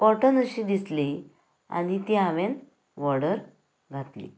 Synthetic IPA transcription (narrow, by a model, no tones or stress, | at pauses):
kɔʈənəɕiːd̪isli | a̰nit̪iaʋen | ʋɔɽəɾ | ɡʱat̪lḭ